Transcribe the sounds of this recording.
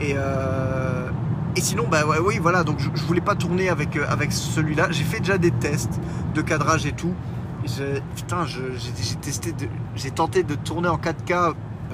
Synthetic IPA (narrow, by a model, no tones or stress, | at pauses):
eø | esinɔ̃bawɛwivwalad̪ɔ̃kʒəʒəvulɛpat̪uʁneavɛkøa̰vɛksəlɥilaʒefɛd̪eʒad̪et̪ɛst̪d̪əkad̪ʁaʒet̪u | ʒepy̥t̪ɛ̃ʒəʒeʒet̪ɛst̪ed̪əʒet̪ɑ̃t̪ed̪ət̪uʁneɑ̃kad̪ka